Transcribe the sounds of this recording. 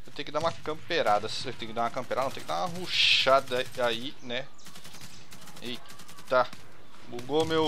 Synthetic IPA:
ewt̪ẽj̃kɪd̪aũmɐkɐ̃peɾad̪ɐset̪ẽkɪd̪aũɐkɐ̃mpeɾad̪̃t̪ẽj̃k̪̚ɪd̪aũɐɦoʃad̪ɐai | nɛ | i | t̪a | buɡomew

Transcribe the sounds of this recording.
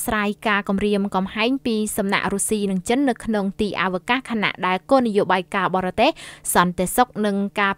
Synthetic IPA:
sraːjkaːkɑmriəmkɑmhaɛɲpiːsɑmna̰ʔrusiːnɨŋt͡ɕənːɨwkʰnoŋt̪iːʔa̰ʋəkahkʰaːna̰ʔɗaɛlkoːnijoːɓaːjkaːɓɑːɾɑt̪eːhsɑnt̪esok̚nɨŋkaː

